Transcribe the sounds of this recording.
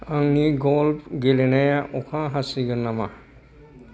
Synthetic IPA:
aŋniɡɔlpʰɡelenajaʔɔkʰãɦasiɡənːama

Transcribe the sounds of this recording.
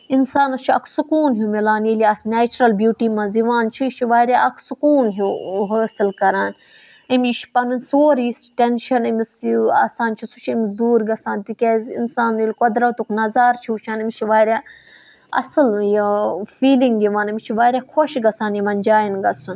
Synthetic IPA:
insaːnɐt͡ʃʰiɐkʰsukuːnɦumilaːnjiliaːsneːt͡ʃɾɐlbʲjuːʈiːmɐ̃ziʋaːnt͡ʃʰiʃʰiʋaːɾʲjaʔɐkʰsukuːnɦuɦɐsɨlkɐɾaːn | imʲiʃpɐnɨnsoːɾjisʈenʃɐnimisa̰ːsaːnt͡ʃʰusut͡ʃʰimisd̪uːɾɡɐsaːnt̪ikʲezḭnsaːnjilʲkod̪ɾɐt̪uknɐzaːɾt͡ʃʰiːt͡ʃʰaːnimʲt͡ʃʰiʋaːɾʲaː | ɐ̰sɨljifiːliŋɡiʋaːnimʲit͡ʃʰiʋaːɾʲjaːkʰoʃɡɐsaːnjimɐnʲd͡ʒaːjinɡɐsun

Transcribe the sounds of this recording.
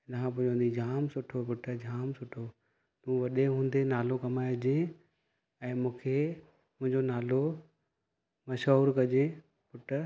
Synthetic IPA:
ɪnkʰãpʊ̃ɦɪ̃ɲd͡ʑõnd̪id͡ʑaːmsʊʈʰopʊʈʰəd͡ʑʱaːmsʊʈʰo | t̪ũːʋɐɗeɦũːn̆d̪enaːlokɐmaːjd͡ʑẽ | ɛ̃ːmũːkʰe | mʊ̃ɦɪ̃ɲd͡ʑonaːlo | mɐʃəːɾkɐd͡ʑẽ | pʊʈə

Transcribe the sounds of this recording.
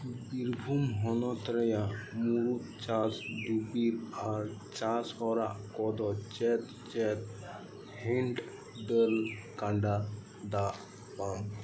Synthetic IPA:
biɾbʱumɦɔnɔt̪ɾɛjamuɾut̪̚t͡ʃasd̪ubiɾaɾt͡ʃashɔɾa̰ʔkɔd̪ɔt͡ʃɛt̪̚ | t͡ʃɛt̪̚ | hiɳʈ | dəlkaɳɖa | d̪aʔ | pam

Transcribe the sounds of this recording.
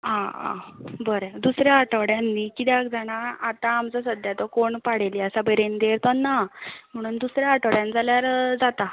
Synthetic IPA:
ɦãã̰bəɾd̪usɾjaaʈəɽjãnːikid̪jakd͡zaɽ̃aat̪ãːmt͡sasəd̪jat̪ɔkoɳpaɽ̤eliəsabəɾend̪eɾt̪ɔnːam̤əɽ̃uːnd̪usɾjaaʈəɽjãnd͡zaljaɾd͡zat̪a

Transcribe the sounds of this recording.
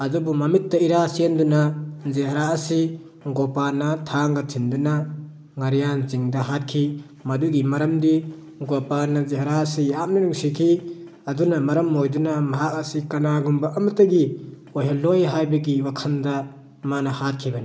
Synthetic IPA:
ɐdubumɐmitːɐiɾasendunazeɦɐɾaːsi | ɡɔpanɐtʰaŋɡatʰinduna | ŋɐɾijanziŋdɐɦat̚kʰi | mɐduɡimɐɾɐmdi | ɡɔpanazeɦɐɾasijap̚ninuŋsikʰi | ɐdunamɐɾɐmːojdunamɐɦak̚asikɐnaɡumbaʔɐmɐtɐɡi | ojɦɐlːojɦajbɐɡiwakʰɐnda | manɐhat̚kʰibɐni

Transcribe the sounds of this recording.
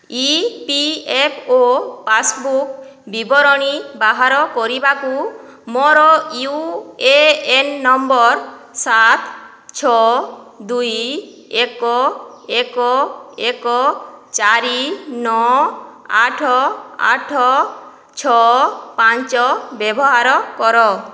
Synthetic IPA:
ipiepʰopasbuk | bibɔɾɔɽ̃ibaɦaɾɔkɔɾibaku | mɔɾɔjueenːɔmbɔɾsat̪ʰ | t͡ʃʰɔ | d̪uj | ekɔekɔekɔt͡ʃaɾinɔ | aʈʰɔa̰ʈʰɔ | t͡ʃʰɔpaɲt͡ʃɔbebɔɦaɾɔkɔɾɔ

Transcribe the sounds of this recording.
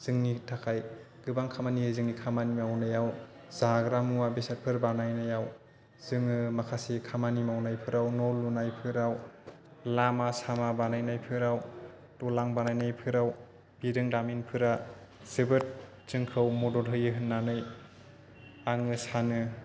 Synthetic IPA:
z̥ɯŋnitʰakʰaj | ɡ̥ɯbaŋkʰamaniɯzɯŋnikʰamanimawnɯjaw | z̥aɡɾamuwabesat̚pʰɯɾbanajnajaw | z̥ɯŋɯmakʰasekʰamanimawnajpʰɯɾawnɔlːunajpʰɯɾaw | lamasamabanajnajpʰɯɾaw | tɔlaŋbanajnajpʰɯɾaw | b̥iɾɯŋdaminpʰɯɾaz̥ɯbɯt̚ | zɯŋkʰɯwmɔdɔɾɦɯjɯɦɯnːanɯj | aŋɯsanɯ

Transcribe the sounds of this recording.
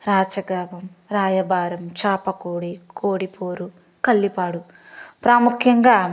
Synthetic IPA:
ɾaːt͡ʃɐɡaːbɐmɾaːjɐbaːɾɐmt͡ʃaːpɐkoːɽikʰoːɽipoːɾu | kɐlːipaːɽu | pɾaːmukʰjɐŋɡaː

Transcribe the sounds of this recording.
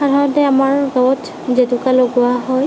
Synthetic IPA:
xadʱaɹɔtɛamaɹɡawɔtʰ | zetukaloɡʊaɦɔj

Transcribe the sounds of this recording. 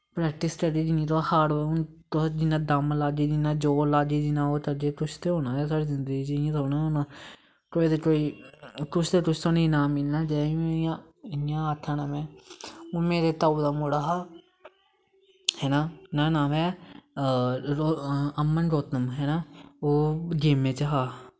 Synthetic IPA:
pɾɛːk̚ʈɪsʈəɖiːd͡ʒɪnĩːt̪̬oakaːɽʊn | t̪d͡ʒɪnãːd̪amlaːd͡ʒiːd͡ʒinãːd͡ʒoːlaːd͡ʒiːd͡ʒinãːoːt̪əd͡ʒeːt̪ʊʃt̪eːɦoːnaːɛːsaːɽiːzɪnd̪əɡiːd͡ʒijãːt̪ɦoːnãːonãː | koːiːd̪ekoːiːk̪ʊʃʰt̪eːt̪ʊʃʰt̪ːniːnãːmɪlnaːd͡ʒɛːĩjã | ɪjãːaːt̪ʰːãːnaːmɛ̃ːomeːɾeːt̪aːuːd̪aːmoɽaːɦaː | hɛːnaːnaːnãːmɛː | əmːənɾoːt̪əmɦɛːnaːoːd͡ʒeːmẽːt͡ʃəɦaː

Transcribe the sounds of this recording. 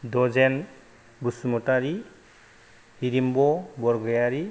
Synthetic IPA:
dɔzɛn | busumɔtaɾi | hiɾimbɔbɔɾɡɔjaɾi

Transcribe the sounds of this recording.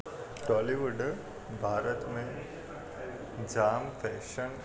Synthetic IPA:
ʈɔliʋəɖ | bʱaːɾət̪mẽ | d͡ʑaːmfɛːʃəɳ

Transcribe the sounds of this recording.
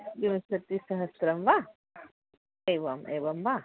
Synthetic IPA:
dinɐsɐt̪ːisɐɦɐsɾɐmʋa | eʋɐmḛːʋɐmʋa

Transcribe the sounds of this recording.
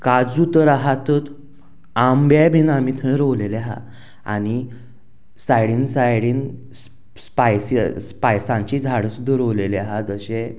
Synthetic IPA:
kad͡zut̪əɾaɦat̪ət̪ | ambjabʱinamit̪ʰə̃ɾowleleaɦa̰ | a̰ñi | sajɽiːnsajɽiːn | s | spajsspajsãɲt͡ɕiːd͡zʱaɽəsud̪ʱːəɾowleleaɦad͡zəɕẽ

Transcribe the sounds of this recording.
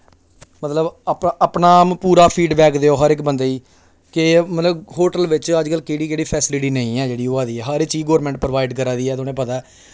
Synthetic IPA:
mət̪ləbəpəpnaːmpuːɾaːpʰiːɖʋɛːkʰd̪eːoːɦəɾɪkbənd̪eːiː | kɪmət̪ləbɦoːʈəlʋɪt͡ʃəd͡ʒkəlːkeːɽiːkeːɽiːpʰɛːsɪlɪʈiːnəĩːɛːd͡ʒeːɽiːoːaːd̪iːɛːɦəɾet͡ʃiːɡoːɾmɛ̃ːɳʈ̚pɾəʋaːɪɖkəɾaːd̪iːɛːt̪oːnẽːpət̪aɛː

